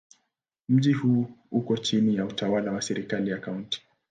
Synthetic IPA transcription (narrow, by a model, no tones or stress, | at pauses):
m̩ʄihuːukɔt͡ʃinijautawalawasɛɾikalijakaunti̥